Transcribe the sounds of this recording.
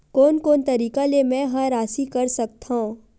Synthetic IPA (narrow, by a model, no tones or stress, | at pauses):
koːnkoːnt̪ɐɾiːkalemɛ̃ɦãɾaːsikɐɾsɐk̚t̪aũ